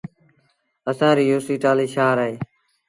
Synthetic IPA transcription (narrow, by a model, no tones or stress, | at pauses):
əsãːɾiːjoːsiːʈaːliːʃaːɾəɦeː